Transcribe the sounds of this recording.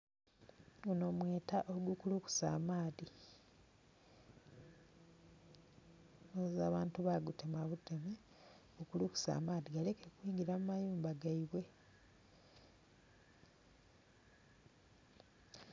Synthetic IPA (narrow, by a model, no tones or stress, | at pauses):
uno̞ːmweːtaʔoɡukuluku̥sa̰ːmaːði | nozaːβaːntuβaɡute̞maβute̞me | okuluku̥sa̰ːmaːðiɡale̞kekwiːŋɡiɾamumajuːmbaɡaiβwe̞